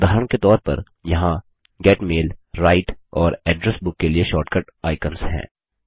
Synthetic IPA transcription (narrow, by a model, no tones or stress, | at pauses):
d̪ʱaːɾəɽ̃ket̪ɔːɾpɐ̰ɾ | jɐɦã | ɡɛːʈmeːlɾaːɪʈɔːɾɛːɖɾɛsbʊkːelieʃɔːʈkəʈ | aːɪkənsɦɛ̰̃ː